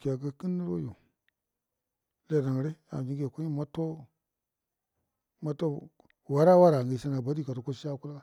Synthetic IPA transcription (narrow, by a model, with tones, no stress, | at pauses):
ka˨ɡə˦ki˦ni˦ɾo̰˦jo˨ | le˨da˨ŋ˨ɾe˦a̰˨d͡ʒi˦ŋɡe˨ko˦i˦ma˦to˦ | ma˦to˦ | wa˦ɾa˦wa˦ɾa˨ŋɡi˨ʃe˦na˨ba˨˦di˦ka˨to˨ko˦ʃi˦a˦ku˦lɡa˦